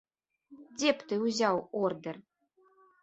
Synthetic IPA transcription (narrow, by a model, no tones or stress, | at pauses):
dʲept̪ɨuzʲɑword̪ɘ̆r